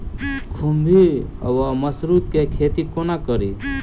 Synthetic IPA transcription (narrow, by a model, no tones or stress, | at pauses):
kʰumbʱiə̰waməsɾut̪̚kekʰeːt̪ikonakəɾi